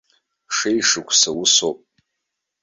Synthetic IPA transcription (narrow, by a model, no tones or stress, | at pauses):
ʂejʂɨkʷʰsawʊsopʼ